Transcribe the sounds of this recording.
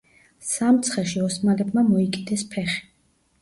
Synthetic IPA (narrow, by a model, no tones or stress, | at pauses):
samt̪sʰχɛʃiɔsmalɛbmamɔikʼid̪ɛspʰɛχi̥